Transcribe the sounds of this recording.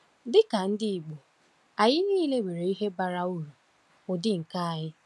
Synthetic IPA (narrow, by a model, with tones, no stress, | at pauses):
dɪ˦ka˨n̩˦dɪ˦i˨ɡ͡bu˨ | a˨ɲɪ˦niː˦le˦wʷe˨ɾe˨i˦ɦe˦ba˨ɾa˨u˦ɾu˨ | ʊ˨dɪ˦ŋ̩˨ka˦a˨ɲɪ˦